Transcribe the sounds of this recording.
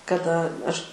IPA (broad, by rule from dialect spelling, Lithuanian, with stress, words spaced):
kɐˈdɐ ˈɐʃ